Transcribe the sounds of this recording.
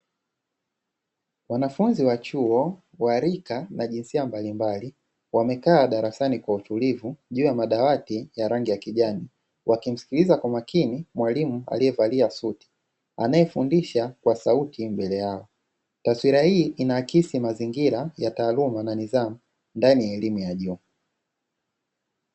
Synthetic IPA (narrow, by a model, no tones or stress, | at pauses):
wanafunziwat͡ʃuɔ | waɾikanaʄinsiambalimbali | wamɛkaːɗaɾasanikwautulivuʄuːjamaɗawatijaɾaŋɡijakiʄani | wʔakim̩si̥kilizakwamakinimwalimua̰liɛvaliasuti̥ | a̰najɛfundiʃakwasautʰimbɛlɛjaɔ | taswiɾahiːʔinakisimaziŋɡiɾajataːlumananizamu | ndanijaɛlimujaʄuː